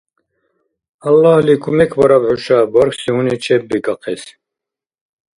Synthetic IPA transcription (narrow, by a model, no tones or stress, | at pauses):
ɑlːɑhlikʰumɛkʰbɔɾabħuʃabɔɾksihunit͡ʃʰɛbːiɡɑqʰɛs